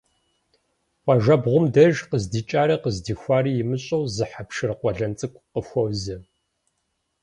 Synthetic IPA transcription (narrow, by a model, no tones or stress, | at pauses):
qʷɑʒɐbʁʷʊmdɐʒqəzdiːt͡ʃʼaːɾɐqəzdiːxʷaːriːjɪmɨɕʼɐwzɨħapʰʃɨrqʷɔɮɐnt͡sʼɨkʷʼqəxʷowzɐ